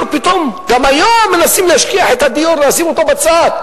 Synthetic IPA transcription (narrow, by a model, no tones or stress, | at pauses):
ɾpit̪o̞mɡamajomːenasimlehaʃkiaħet̪had̪ijoɾleasimot̪obat͡sat̪̚